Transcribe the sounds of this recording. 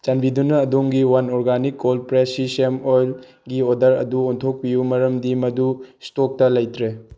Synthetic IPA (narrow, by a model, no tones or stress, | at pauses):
t͡ʃɐnbidunɐːdoŋɡiwɐnoɾɡanikːolpɾesisemojl | ɡiodɐɾɐ̰duontʰok̚pijumɐɾɐmdimɐdustok̚tɐlɐjtʰɾe